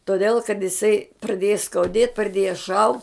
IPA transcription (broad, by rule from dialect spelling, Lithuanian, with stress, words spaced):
toːˈdʲeːlˠ kɐt jɪˈsɐɪ prɐˈdʲeːjɛ skɐʊˈdʲeːt prɐˈdʲeːjɛ ʃɐʊ